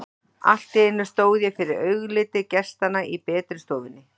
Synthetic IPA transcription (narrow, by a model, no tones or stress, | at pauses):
a̰l̥t̪ɪɪnːʏ̥st̪oːwðjɛfɪɾɪɾœɥɣlɪːt̪ɪcɛ̥st̪anːaʔipɛːt̪ɾɪst̪oːwðɪnːɪ